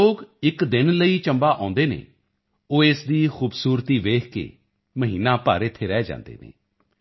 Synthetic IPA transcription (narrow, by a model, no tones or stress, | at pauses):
oːkɪkd̪ɪnləiːt͡ʃəmbaːʔãːnd̪eːnḛː | oːɪsd̪iːxuːbsuːɾt̪iːʋeːkʰkḛː | məɦiːnaːpaːɾɪt̪ʰːeːɾɛːd͡ʒã̰ːnd̪ḛːnḛː